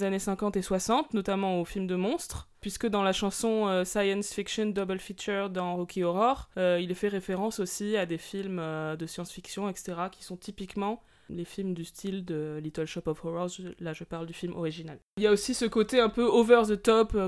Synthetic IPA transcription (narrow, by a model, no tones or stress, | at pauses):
zanesɛ̃kɑ̃t̪eswasɑ̃t̪nɔt̪amɑ̃ofilmd̪əmɔ̃st̪χ | pɥiskəd̪ɑ̃laʃɑ̃sɔ̃øsajɛ̃nsfikʃɔnd̪ɔbɛlfit͡ʃœʁd̪ɑ̃ʁɔkʰʲiɔʁɔʁøilfɛʁefeʁɑ̃sosiad̪efilmød̪əsjɑ̃sfiksjɔ̃ɛkse̥t̪eʁakʲi̥sɔ̃t̪ipikmɑ̃ | lefilmd̪yst̪ʰild̪əlit̪œlʃɔpɔfɔʁɔzlaʒəpaʁld̪yfilmʔɔ̰ʁiʒinaliljaosisəkot̪eɛ̃pøovœʁzət̪ɔpø